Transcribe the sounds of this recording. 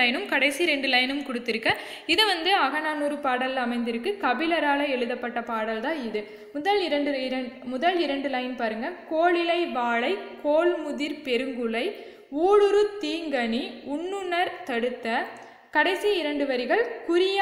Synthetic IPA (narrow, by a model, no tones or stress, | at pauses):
ɐjnɯmkɐɽɐɪsiɾɛɳɖɯlɐjnɯmkɔɽɯt̪ːɪɾɯkːɐ | ɪðɯʋɐnd̪ɯɐɣɐnaːnuːɾɯpaːɽɐlɐmɐɪnd̪ɪɾɯkːɯkɐbɪlɐɾaːlɐɛɭɯðɐpːɐʈːɐpaːɽɐlt̪ãːɪðɯ | mʊðɐlɪɾɐɳɖɯɪɾɐmʊðɐlɪɾɐɳɖɯlɐjɪnpaːɾɯŋɡɐkoːɭɪlɐɪʋaːɭɐɪkoːlmʊðɪɾpɛɾɯŋɡɯɭɐɪ | uːɻɯɾɯt̪iːŋɡɐniʊɳːɯnɐɾt̪ɐɽɯt̪ːɐ | kɐɽɐɪsiɪɾɐɳɖɯʋɐɾɪɣɐɭkʊɾɪj